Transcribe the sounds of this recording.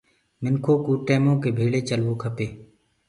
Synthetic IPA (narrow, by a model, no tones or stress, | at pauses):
mɪnkʰoːkuːʈeːmõːkeːbʱiːɭeːt͡ʃəlʋoːkʰəpeː